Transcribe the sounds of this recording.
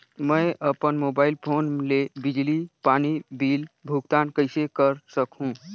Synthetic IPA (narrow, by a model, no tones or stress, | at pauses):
məɪʔəpənmobaɪilpʰonlebid͡ʒlipanibilbʱuɡ̚t̪ankəɪsekəɾsəkɦũ